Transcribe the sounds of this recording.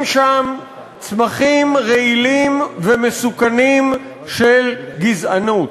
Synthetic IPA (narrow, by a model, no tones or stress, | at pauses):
mʃam | t͡smaχimʁeilimvemesukanim | ʃelɡizanut